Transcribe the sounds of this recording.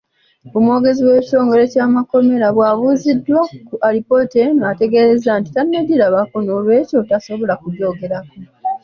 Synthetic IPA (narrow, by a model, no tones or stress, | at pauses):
omwo̞ːɡe̞ziwe̞ːci̥to̞ːŋɡo̞ɾe̞caːmako̞me̞ɾaβwaβuzidːwakuʔaɾipo̞tenate̞ɡe̞ɾezanti̥tanːeɟiɾaβakonoːlwe̞ːco̞taso̞βo̞lakuɟo̞ːɡe̞ɾako